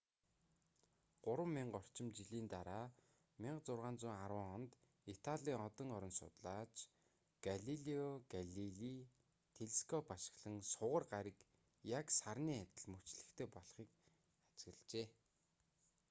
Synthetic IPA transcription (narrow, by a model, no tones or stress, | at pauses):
ɢ̥ʊɾwə̆mːiɴɢɔr̥t͡ɕɪ̆mt͡ɕiɮiːnt̪aɾaː | mʲɪɴɢt͡sʊrʁaːnt͡sʊːŋaɾwə̆ːŋχɔnt̪ | it̪ʰaɮʲiːŋɔt̪ɞ̆ŋɔɾɞ̆nsʊ̰t̪ɮaːt͡ɕ | ɡ̥aɮiɮiɔɡaɮiɮi | t̪ʰeɮskʰɔpaʃɪ̥̆xɮə̆ŋsʊʁə̆rɢaɾʲɪ̆k | jaksarniːat̪ʲɪ̆ɮmɵt͡ɕɮɘ̆xt̪ʰeːpɔɮχiːk | at͡sɣə̆ɮt͡ɕeː